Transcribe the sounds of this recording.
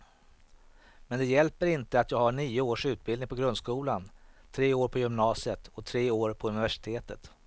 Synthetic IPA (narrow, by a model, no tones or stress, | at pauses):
mɛnd̪ɛjɛlpəɾɪnt̪əat̪jɑːɡhaɳiːʊoːʂʉ̟ːt̪̚bɪld̪ɪŋpʰɔɡɾɵnd̪skuːlant̪ʰɾeːoːɾpʰɔjʏmnɑːsɪət̪ɔt̪ʰɾeːoːɾpʰɔɵnɪvæʂɪ̥t̪ʰeːt̪ət̪